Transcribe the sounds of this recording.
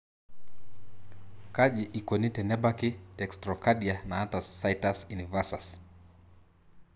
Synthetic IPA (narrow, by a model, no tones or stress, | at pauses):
kad͡ʒiʔikɔnitɛnɛbakitɛkstɾɔkadianaatasːajtasunivasas